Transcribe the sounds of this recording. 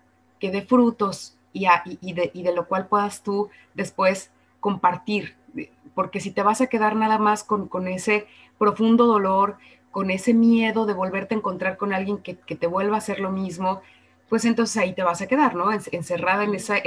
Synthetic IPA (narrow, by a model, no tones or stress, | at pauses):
ke̞ðe̞fɾut̪o̞s | iaʔiiðeʔiðe̞lo̞kwalpwe̞ðast̪u | ðe̞spwe̞s | ko̞mpaɾt̪iɾ | po̞ɾke̞s̬it̪e̞βasake̞ðaɾnaðamaskoŋko̞ne̞se̞ | pɾo̞fund̪o̞ðo̞lo̞ɾ | ko̞ne̞se̞mje̞ðo̞ðe̞β̞o̞lβe̞ɾt̪eːŋko̞nt̪ɾaɾko̞nalɣje̞ŋkeke̞t̪e̞βwe̞lβaːse̞ɾlo̞mizmo̞ | pwe̞s̬ent̪o̞ns̬esait̪e̞β̞asake̞ðaɾno̞ensense̞raðaenesa